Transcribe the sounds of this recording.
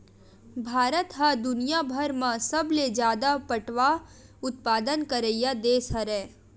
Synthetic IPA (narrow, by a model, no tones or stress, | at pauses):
bʱaːɾət̪ɦad̪ʊnijabʱəɾmãsɐbled͡ʒjaːd̪apəʈʋaʊt̪̚paːd̪ənkəɾəjad̪eːsɐɾɛː